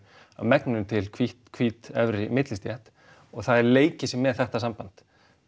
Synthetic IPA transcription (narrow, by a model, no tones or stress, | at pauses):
a̰ðmɛknʏnt̪ʰɪlkʰviht̪kʰviːt̪ɛvɾɪmɪt̪lɪst̪jɛht̪ | ɔɣθaðɛɾleːjcɪsɪmːɛðθɛht̪as̬ampant̪